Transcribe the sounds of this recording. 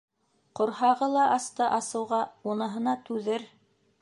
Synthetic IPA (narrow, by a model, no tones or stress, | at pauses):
qŏɾhɑʁɤlˠɑʔɑst̪ɤʔɑsɤ̆wʁɑunɤ̆ɦɤ̆nɑt̪ʉðɘɾ